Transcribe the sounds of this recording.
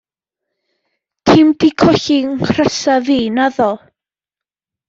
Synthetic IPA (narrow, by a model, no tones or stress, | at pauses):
tʰɪmdikʰɔɬiŋkʰrəsaviːnaðɔ